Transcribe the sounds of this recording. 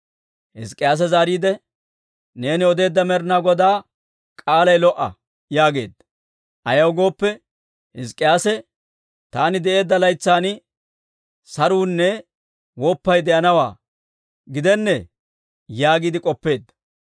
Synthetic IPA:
hɪskʼːɪjaːs̬ɛzaːɾiːd̪ɛ | ne̞ːnɪɔd̪e̞ːd̪ːɐmɛɾnaːɡɔd̪aː | kʼaːlɐjlɔʔɐ̰ | jaːɡe̞̰ːd̪ːɐ̥ | ʔɐjɐwɡo̞ːpːɛ | hɪskʼːɪjaːsɛ | t̪aːnɪd̪ɛʔe̞ːd̪ːɐlɐjt͡sːaːn | sɐɾuːnːɛ | wɔpːɐjd̪ɛʔɐnɐwa̰ː | ɡɪd̪ɛnːɛ | jaːɡiːd̪ɪkʼɔpːe̞ːd̪ːɐ̥

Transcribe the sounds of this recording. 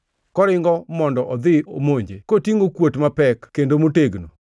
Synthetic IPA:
kɔɾɪŋɡɔmɔndɔʔɔd̪ɪomoɲd͡ʒekotiŋɡokwotmapɛkkːendomoteɡno̰

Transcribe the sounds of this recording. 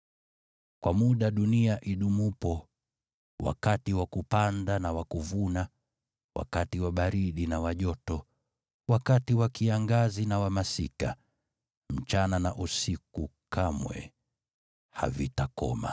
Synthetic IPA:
kwamuɗaɗuniaʔiɗumupɔ | wa̰katiwakupandanawakuvuna | wʔa̰katiwaɓaɾiɗinawaʄɔtɔ | wakatiwakiaŋɡazinawamasḭka | m̩t͡ʃananaʔusikukʰamwɛ̰ | ha̰vḭtakɔ̰ma̰

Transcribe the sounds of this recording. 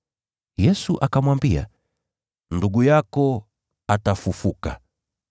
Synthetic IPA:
jɛsuʔakamwambia̰ | nduɠujakɔ | atafufuka

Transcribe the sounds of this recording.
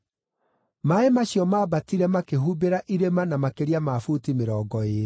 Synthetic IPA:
maemaɕjɔmaːbatiɾɛmakeɦubeɾaʔiɾemanamakeɾiamaːfutimeɾɔːɡɔeːɾ

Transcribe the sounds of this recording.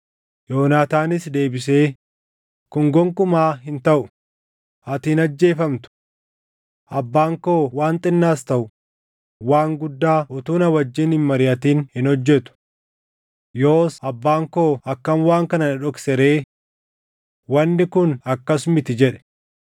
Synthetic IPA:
joːnaːt̪aːnɪsd̪e̞ːbɪse̞ː | kʊŋɡɔŋkʊmaːɦɪnt̪ɐʔʊ | ɐt̪iːnɐd͡ʒːe̞ːfɐmt̪ʊ̥ | ʔɐbːaːŋkoːwaːnt̪ʼɪnːaːst̪ɐʔʊ | waːŋɡʊd̪ːaːʊt̪uːnɐwɐd͡ʒːɪːnhɪnmɐɾɪʔɐt̪iːnhɪnɔd͡ʒːɛt̪ʊ̥ | joːsɐbːaːŋko̞ːʔɐkːɐmwaːŋkɐnɐnɪᶑɔksɛɾe̞ː | wɐnːɪkʊnɐkːɐsmɪt̪ɪd͡ʒɛᶑɛ̥

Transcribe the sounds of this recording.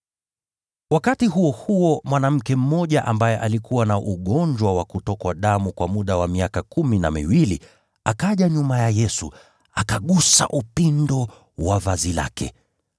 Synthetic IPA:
wakatiɦuɔhuɔmwanam̩kɛm̩mɔʄaʔambajɛʔalikʰuwanaʔuɠɔɲd͡ʒwawakutɔkwaɗamukwamuɗawamiakakumina̰mḭwili | akaʄaɲumajajɛsṵ | akaɠusa̰ʔupindɔ | wavazila̰kʰɛ̰

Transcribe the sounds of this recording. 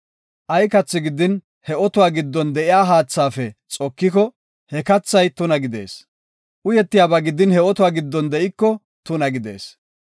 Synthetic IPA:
ʔɐjkɐt͡sːɪɡɪd̪ɪn | hɛɔt̪ʊwaːɡɪd̪ːɔnd̪ɛʔɪjaːɦaːt͡sːaːfɛt͡sʼɔkːɪkɔ | hɛkɐt͡sːɐjt̪ʊnɐɡɪd̪e̞̰ːs | ʔʊjɛt̪ːɪjaːbaɡɪd̪ɪnhɛɔt̪ʊwaːɡɪd̪ːɔnd̪ɛʔɪkːɔ | t̪ʊnɐɡɪd̪e̞̰ːs

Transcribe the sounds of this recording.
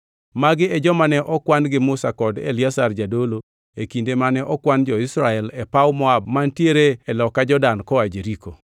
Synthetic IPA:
maɡɪɛd͡ʒɔmanɛʔɔkwanɡɪmʊsakɔdḛliasard͡ʒadolo | ekindemanɛʔɔkwand͡ʒɔɪsɾaɛlɛpawmɔab̚mantjeɾeɛlɔkːad͡ʒɔdankɔad͡ʒeɾiko

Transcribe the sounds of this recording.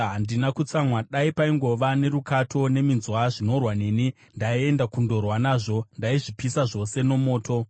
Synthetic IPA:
ɦandinakut͡samwaɗaipaiŋɡo̞ʋane̞ɾukatʰo̞ne̞minzwaʐino̞rwane̞ːni | ndaie̞ndakundo̞rwanaːʐo̞ndaiʐipisaʐo̞se̞no̞mo̞ːtʰo̞

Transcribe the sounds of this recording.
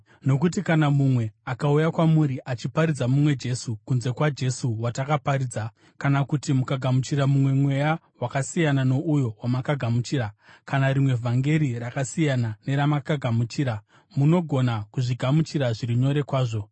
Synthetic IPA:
no̞kutikanamumwe̞akaujakwamuɾiʔat͡ʃipaɾid͡zamumwe̞d͡ʒe̞sukunze̞kwad͡ʒe̞suwatakaparid͡za | kanakutimukaɡʱamut͡ʃiɾamumwe̞mwe̞ja | wakasijanano̞ʔujo̞wamakaɡʱamut͡ʃiːɾakanaɾimwe̞vʱaŋɡe̞ɾirakasijanane̞ɾamakaɡʱamut͡ʃiːɾa | muno̞ɡʱo̞nakuʐiɡʱamut͡ʃiɾaʐiɾiɲo̞ɾe̞kwaːʐo̞

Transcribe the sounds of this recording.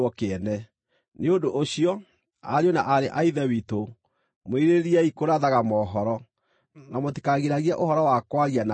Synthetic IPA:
ɔkeɛnɛ | neondoʔoɕiɔ | a̰ɾjɔnaʔaɾeʔaiðɛwito | moeɾeɾiɛikoɾaðaɣamɔːɦɔɾɔ | namoti̥kaɣeɾaɣiaʔohɔɾɔwakwaɣiana

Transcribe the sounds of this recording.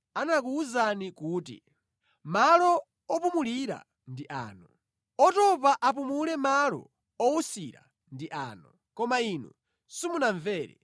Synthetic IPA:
anak̬uuzanikuːtḭ | malɔ | ɔpumuliɾa̰ | ndiʔa̰ːnɔ | ɔtɔpaʔap̬umulɛmalɔ̰ | ɔusiɾa̰ | ndiʔa̰ːnɔ | kɔmainu | simunaɱvɛːɾɛ̰

